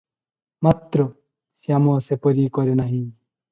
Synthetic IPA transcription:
mɐt̪ɾo | sjamoːsepoɾiːkoɾjenɐɦĩ

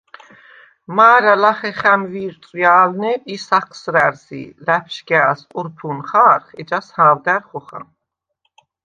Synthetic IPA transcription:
maːɾalaχɛχæmviːɾt̪ʼjaːlnɛisaχʰsɾæɾzḭlæpʰʃɡaːsuɾpʰunχaːɾχɛd͡ʒashaːwd̪æɾχɔχa̰m

